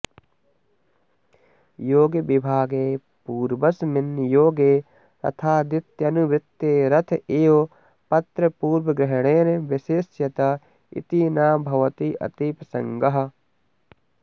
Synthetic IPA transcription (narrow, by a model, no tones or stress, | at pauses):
joːɡjɐʋɪbʱaːɡeː | puːɾbɐsmɪnjoːɡeː | t̪ɐ̰t̪ʰaːd̪ɪt̪jɐnuʋɾɪt̪ːeːɾɐt̪ʰʔeːoː | pɐt̪ɾɐpuːɾwɐɡɾɪɦɽ̃eːɾeʋɪʃeːsjɐt̪ɐ | ḭt̪inaːbʱɐʋɐt̪iʔɐ̰t̪iːpɐsɐ̃ŋɡɐɦɐ̆